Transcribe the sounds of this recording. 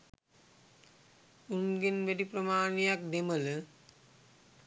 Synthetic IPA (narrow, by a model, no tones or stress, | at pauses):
unɡenʋeɖipɾəmaːnejak̚d̪emələ